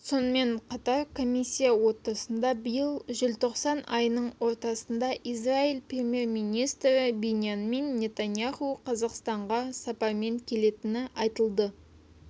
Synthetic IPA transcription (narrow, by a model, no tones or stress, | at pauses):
so̞nəme̞ɴqʰɑt̪ɑɾkʰo̞misʲːijawo̞t̪ːɑsənd̪ɑbəjəlˠʒɪlt̪ʰo̞qsɑnɑjnəɴwo̞ɾt̪ɑsənd̪ɑʔizrailˠprʲe̞mʲje̞rmijnijst̪ɾɪbenʲjanme̞nːʲe̞t̪anjaχuqʰɑzɑqst̪ɑɴʁɑsɑpɑɾme̞ŋkʲʰe̞le̞t̪ɪnɪʔɑjt̪əlˠd̪ə